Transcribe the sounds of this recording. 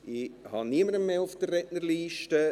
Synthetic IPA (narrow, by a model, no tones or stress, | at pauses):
ihɑniəməɾəmːeːʊfd̥̪ərɛtnəɾliːʃtə